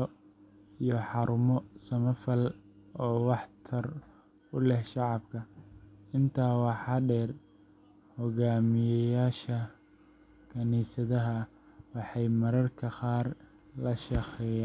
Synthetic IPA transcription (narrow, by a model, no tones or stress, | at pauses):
ijɔħɑɾʊmɔsɐmɐfɐl | ɔːwɑħt̪ʰɐr | ʊlɛhʃɑʕɑbkʰɐ | ɪnt̪ʰaːwɑħɑɖɛːr | hɔɣaːmɪjɛjaːʃɐ | kʰɐniːsɐðɐɦɐ | wɑħɑjmɐɾɐrkʰɐqɑːr | lɐʃɑqɛːjaː